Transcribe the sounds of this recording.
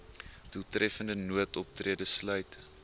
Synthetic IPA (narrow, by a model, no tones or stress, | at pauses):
tutrɛfəndənuətɔp̚triədəslœɥt